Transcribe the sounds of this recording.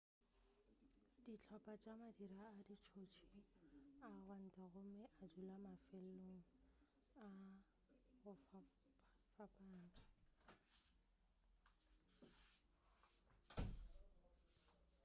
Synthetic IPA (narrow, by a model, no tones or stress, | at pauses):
d̥it͡ɬʰɔpʼat͡ʃʼamadiɾaːdit͡ʃʰot͡ʃʰi | aɣwan̩tʼaɣʊmɪʔad͡ʒulamafɛl̩loŋ̩ | a | ɣʊf | fapʼaːn̩tʼʊ̥